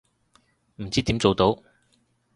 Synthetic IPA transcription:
m̩˨˩t͡siː˥t̪iː˨˥mt͡so˨wt̪o˨˧˥w

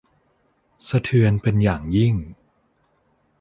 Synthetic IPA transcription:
sa˧t̪ʰɯ˧ənpe˧njaː˨˩ŋji˥˩ŋ

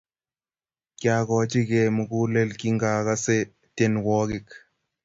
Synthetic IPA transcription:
kja˨kɔ˨t͡ʃi˦ke˨mu˨ku˦le˦lki˦ŋɡa˨ka˦se˦ | te˦nwɔ˦kɪ˨k

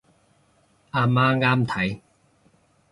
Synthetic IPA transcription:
aː˧maː˦˥ŋaː˥mt̪ʰɐ˨˦j

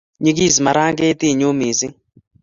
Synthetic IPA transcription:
ɲi˦ɡ̬i˦˨zi˨ma˨ɾa˦ŋɡe˦t̪i˦˨ɲu˦mi˨zi˦

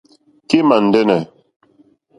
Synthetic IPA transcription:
ke˦ma˨n̩˨dɛ˦nɛ˨

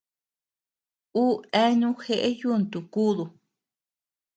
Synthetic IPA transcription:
u˦e˦ɲũ˦xe˦ʔe˦ju˦˨nt̪u˨kuː˦ðu˧

